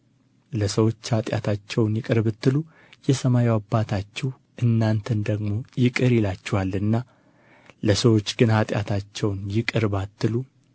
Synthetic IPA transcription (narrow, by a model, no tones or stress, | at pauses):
ləsəwo̞t͡ʃːhat̪ʼja̰t̪ʰat͡ʃːɛwnjɪkʼɨɾbɨt̪ːɨlu | jɛsəmajiwabːat̪ʰat͡ʃːɛh | ʔɨnːant̪ʰənd̪əɡmo̞jɪkʼɨɾjɪlat͡ʃːɛhalːɨnːa | ləsəwo̞t͡ʃːɡɨnhat̪ʼja̰t̪ʰat͡ʃːɛwnjɪkʼɨɾbat̪ːɨlu